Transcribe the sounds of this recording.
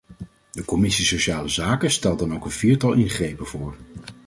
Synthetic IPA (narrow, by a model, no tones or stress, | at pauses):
dəkɔmɪsisoʃaːləzaːkəstɛlˠtɑnowkənv̥iːɹtɑlˠʔɪnχrejpəv̥ʊːɹ